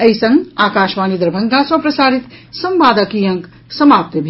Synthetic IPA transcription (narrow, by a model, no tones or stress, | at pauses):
ɐisʌ̃ŋɡaːkaːʃʋaːnid̪ɾbʱɐŋɡãswapɾɐsaːɾit̪sɐmbaːd̪əkijɐŋk | sɐmaːp̚t̪əbʱi